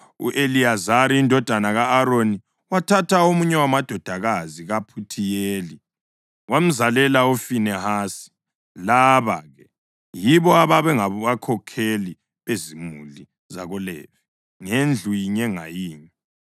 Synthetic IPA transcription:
ṵʔeliazaɾiindʱɔd̥ʱanaɣaːɾoni | watʰatʰaomuɲɛwamad̥ʱɔd̥ʱaɣaziɣapʰutʰijeːli | wam̩zalɛlaufinɛhasi̥ | laβa̰ɣɛ | jiβɔaβaβɛŋaβuɣakʰɔkʰeli | βezimuli | za̰ɣɔlɛ̰vi̥ | ŋend͡ɮʱujiɲɛŋa̰jiːɲi

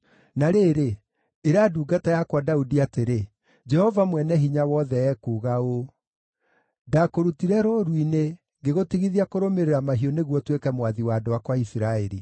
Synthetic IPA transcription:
naɾeːɾeː | ɾaduːɡatajakwadaudiateɾe | d͡ʒɛhɔvamwɛnɛɦiɲawɔðɛɛkuːɣao | dakoɾutiɾɛɾoɾwine | ŋɡeɣotiɣiðiakoɾomeɾeɾamaɦiɔneɣwɔtwekɛmwaðiwaːdowakwaisiɾaeɾi

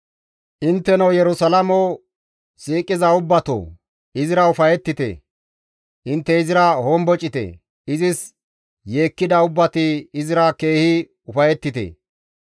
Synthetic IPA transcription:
ʔɪnt̪ːɛnɐwjɛɾʊsɐlɐmo | siːkʼːɪzɐʊbːɐt̪o̰ | ɪzɪɾɐʊfɐjɛt̪ːɪt̪ḛ | ʔɪnt̪ːɛɪzɪɾɐhombɔt͡ʃʼɪt̪ɛ̰ | ɪzɪs | je̞ːkːɪd̪ɐʊbːɐt̪ɪːzɪɾɐke̞ːhɪ | ʊfɐjɛt̪ːɪt̪ḛ

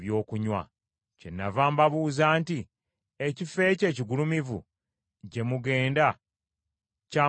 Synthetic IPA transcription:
βjo̞ːkuɲwa̰ | cenːa̰vaːmbaβuːzaːnti | ecife̞ːce̞ːciɡulumivṵ | ɟe̞muɡe̞ːnda | ca

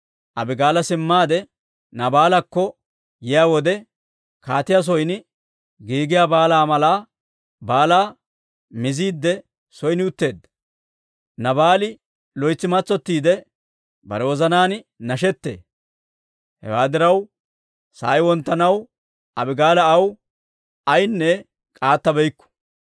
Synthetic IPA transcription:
ʔɐbɪɡaːlɐsɪmːaːd̪ɛ | nɐbaːlɐkːɔ | jɪjaːwɔd̪ɛ | kaːt̪ɪjas̬ɔjnɪ | ɡiːɡɪjabaːlaːmɐlaː | baːlaː | mɪziːd̪ːɛ | sɔjnɪʊt̪ːe̞ːd̪ːɐ | nɐbaːlɪ | lɔjt͡sːɪmɐt͡sːɔt̪ːiːd̪ɛ | bɐ̰ɾɛwɔzɐnaːnnɐʃɛt̪ːḛː | hɛ̰waːd̪ɪɾɐw | sa̰ːjwɔnt̪ːɐnɐw | ɐbɪɡaːlɐːw | ɐjnːɛ | kʼaːt̪ːɐbɛjkːɔ̥

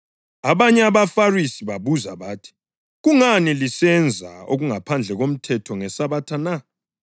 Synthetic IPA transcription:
aβaɲɛaβafarisiβaβuzaβaːtʰi̥ | ɣuŋanilisɛnd͡zʱa̰o̰ɣuŋapʰand͡ɮʱɛɣom̩tʰɛtʰɔŋɛsaβatʰana

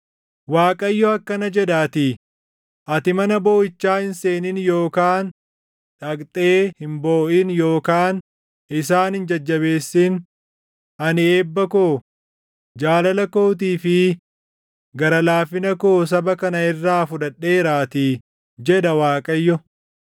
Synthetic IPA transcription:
waːkʼɐjːɔɐkːɐnɐd͡ʒɛd̪aːt̪ɪ | ʔɐt̪ɪmɐnɐbo̞ːɪt͡ʃːaːhɪnse̞ːnɪnjo̞ːkaːn | ᶑɐkt̪ʼe̞ːhɪmbo̞ːʔɪnjo̞ːkaːn | ʔɪsaːnhɪnd͡ʒɐd͡ʒːɐβe̞ːsːɪn | ɐnɪeːbːɐkoː | d͡ʒaːlɐlɐko̞ːt̪̬iːfɪ | ɡɐɾɐlaːfɪnɐkoːs̬ɐbɐkɐnɐɪrːaːfʊᶑɐᶑːe̞ːɾaːt̪ɪ | d͡ʒɛᶑ̪ɐwaːkʼɐjːɔ

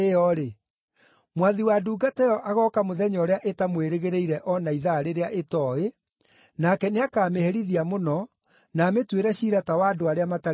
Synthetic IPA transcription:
eɔɾe | mwaðiwaːduːɡatɛjɔʔaɣɔːkamoðɛɲɔɾeaʔetamweɾeɣeɾeiɾɛʔɔnaiðaɾeɾeaʔetɔe | nakɛneakaːmehɛɾiðiamonɔ | naːmetweɾɛɕiːɾatawaːdoaɾeamata

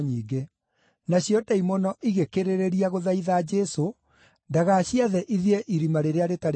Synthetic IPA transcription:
ɲiːɡe | naɕjɔtɛimɔnɔʔiɣekeɾeɾeɾiaɣoðaiðaːd͡ʒɛso | ndaɣaːɕiaðɛʔiðieʔiɾimaɾeɾeaɾetaɾ

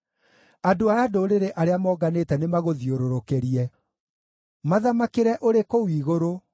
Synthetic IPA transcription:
adoaadoɾeɾeʔaɾeamɔːɡaneːtɛnemaɣoðioɾoɾokeɾiɛ | maðamakeɾɛʔoɾekowiːɣoɾo

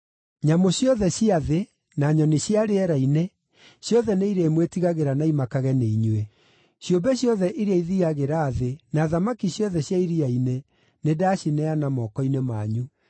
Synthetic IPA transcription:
ɲamoɕjɔðɛɕiaðe | naɲɔneɕjaɾeɛɾaine | ɕjɔðɛneiɾeːmwetiɣaɣeɾanaimakaɣɛneiɲwe | ɕjombɛɕjɔðɛʔiɾeaiðiɣaɣeɾaːðenaðamakiɕjɔðɛɕjaiɾiaine | nedaɕinɛanamɔːkɔinemaːɲu

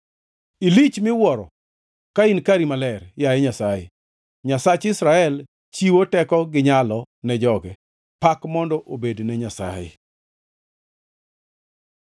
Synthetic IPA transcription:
ilit͡ʃmɪwɔɾɔ̰ | kainkaɾimalɛrjajɛɲasajɪ̰ | ɲasat͡ʃɪsɾaɛl | t͡ʃiwotɛkɔɡɪɲalɔ | nɛd͡ʒɔɡɛ | pakmɔndɔʔobednɛɲasa̰jɪ̰

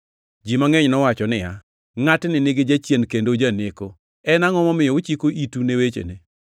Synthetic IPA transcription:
d͡ʒimaŋeɲnɔwat͡ʃɔnɪja | ŋatnɪnɪɡɪd͡ʒat͡ʃjenkendod͡ʒaneko | ɛnaŋɔmɔmɪjɔʊt͡ʃikoʔitunewet͡ʃḛne

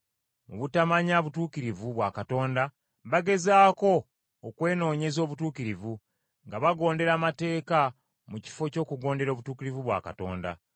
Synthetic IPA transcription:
mṵβutamaɲaβutuːkiɾivuβwakato̞ːnda | βaɡe̞zaːko̞ː | kwe̞ːno̞ːɲe̞zo̞ːβutuːkiɾivu | ŋɡaβaɡo̞ːnde̞ɾaːmate̞ːka | muci̥fo̞co̞ːkuɡo̞ːnde̞ɾo̞ːβutuːkiɾivuβwa̰ːka̰to̞̰ːnda̰

